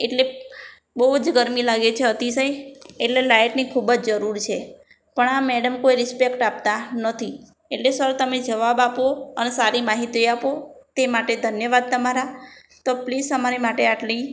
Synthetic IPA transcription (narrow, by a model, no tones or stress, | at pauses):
eʈle | bəud͡ʒɡəɾmilaɡet͡ʃʰeət̪isəieʈlelajʈnikʰubəd͡ʒd͡ʒəɾuɾt͡ʃʰe | pəɳameɽəmkoiɾɪspekʈap̚t̪anət̪ʰi | eʈlesəɾt̪əmed͡ʒəʋabapoənesaɾimaɦit̪iapot̪emaʈed̪ʱənjəʋad̪̚t̪əmaɾa | t̪oplisəmaɾimaʈeaʈli